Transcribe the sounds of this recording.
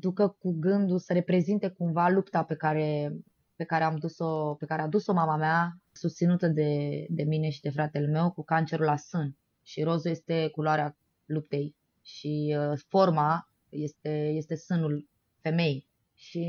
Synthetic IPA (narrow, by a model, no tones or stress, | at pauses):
d̪ukəkuɡɨnd̪usəɾe̞pɾe̞zint̪e̞kumvalupt̪ape̞kaɾe̞ | pe̞kaɾeamd̪uso̞pe̞kaɾead̪uso̞mamameasust̪sinut̪əd̪e̞d̪e̞mine̞ʃid̪e̞fɾat̪e̞lme̞wkukant͡ʃe̞ɾulasɨn | ʃiɾo̞zuje̞st̪e̞kuloaɾea | lup̚t̪e̞j | ʃifo̞rma | je̞st̪e̞je̞st̪e̞sɨnul | fe̞me̞j | ʃi